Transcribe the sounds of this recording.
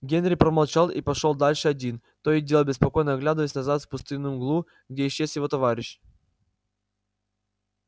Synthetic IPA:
ɡʲenɾʲɪpɾəmɐlˠt͡ɕalˠipɐʂolˠd̪alʲʂɨɐdʲin | t̪oɪdʲe̞lˠbʲɪspɐko̞jnəɐɡlʲad̪əvəsʲnɐzat̪fpʊst̪ɨnːɨjmɡlˠu | ɡdʲeɪɕːesjɪvo̞t̪ɐvaɾʲɪɕ

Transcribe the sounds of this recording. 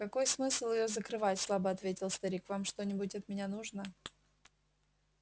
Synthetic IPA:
kɐko̞jsmɨslˠɪjozəkɾɨvatʲslˠabəɐt̪vʲetʲɪlˠst̪ɐɾʲikvamʂt̪o̞nʲɪbʊtʲɐt̪mʲɪnʲanuʐnə

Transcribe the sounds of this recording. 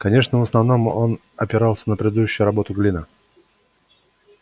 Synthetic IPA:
kɐnʲe̞ʂnəvəsnɐvno̞mo̞n | ɐpʲɪɾɑlˠsʲənəpɾʲɪd̪ɪd̪uɕːʊjʊɾɐbo̞t̪ʊɡlʲinə

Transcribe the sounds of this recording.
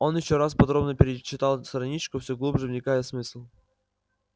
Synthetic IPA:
o̞njɪɕːoɾaspɐd̪ɾo̞bnəpʲɪɾʲɪt͡ɕːɪt̪alˠst̪ɾɐnʲit͡ɕkʊfsʲoɡlˠubʐɨvnʲɪkajɪt̪smɨsʲlˠ

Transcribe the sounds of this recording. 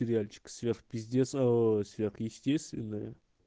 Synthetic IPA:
ɪɾʲɪalʲt͡ɕɪ̥kə̥svʲerxpʲɪzʲdʲesəsvʲerxjɪsʲtʲest̪vʲɪnːəjə̰

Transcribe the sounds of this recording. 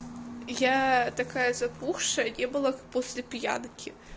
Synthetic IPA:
jat̪ɐkajɐzɐpuxʂɐnʲɛbɨlˠapɔsʲlʲɪpʲja̰nkʲɪ

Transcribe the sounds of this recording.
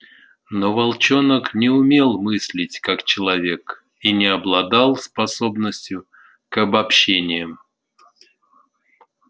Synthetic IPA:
novɐlˠt͡ɕo̞nəknʲɪʊmʲe̞lˠmɨsʲlʲɪtʲkakt͡ɕɪlˠɐvʲe̞k | inʲɪɐblˠɐd̪alˠspɐso̞bnəsʲtʲjʊ | kɐbɐpɕːenʲɪjəm

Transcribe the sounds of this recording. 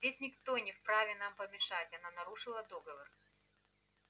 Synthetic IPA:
zʲdʲesʲnʲɪkt̪o̞nʲɪfpɾavʲɪnampəmʲɪʂatʲɐnanɐɾuʂɨlˠəd̪o̞ɡəvər

